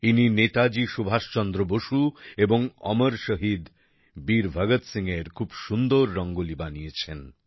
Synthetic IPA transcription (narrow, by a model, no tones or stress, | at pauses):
ininet̪ad͡ʑiʃubʱaʃt͡ɕɔnd̪ɾoboʃueboŋɔ̰məɾʃəɦid̪ | biɾbʱəɡət̪siŋeɾkʰubʃund̪oɾːɔŋɡolibanijet͡ɕʰen